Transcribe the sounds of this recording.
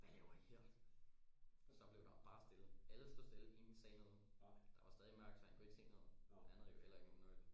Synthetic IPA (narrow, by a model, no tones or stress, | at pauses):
ʋælɛʊɐiheɐ̰̥ | sɒ̽b̥le̝ʊd̥ɑ̈b̥ɑ̈ːsd̥e̝lð̩ˠæləsd̥osd̥e̝lð̩ˠe̝nisɛ̰ːnəðˠd̥ɑ̈ʋɑ̈sd̥ɛːð̞ˠimɶɐ̰ɡ̥d̥sɒ̽hænɡ̥ɔiɡ̥seŋ̰nəðˠænð̩ˠjohel̰ɐe̝ɡ̥no̝ːnɔl